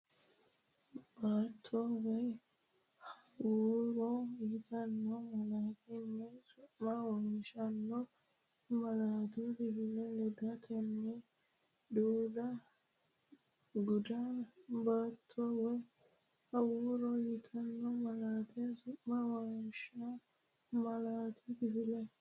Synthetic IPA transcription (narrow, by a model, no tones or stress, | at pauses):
b̥aːt̪ʰːɔwɛj | hɐwuːɾɔjɪt̪ʰɐnːɔmɐlaːtɛnːɛsʊʔmawɔnʃɐnːɔ | mɐlaːt̪ubɪbɪlɛlɛdɐkʰɛnːɛ | d̪uːd̪ɐ | ɡʊd̪abat̪ʰːɔwɔj | hɐwuːɾɔjɪt̪ʰʼɐnːɔmɐlaːt̪ɛsʊʔmawɔnʃa | mɐlaːt̪ʰʊkɪfɪlɛ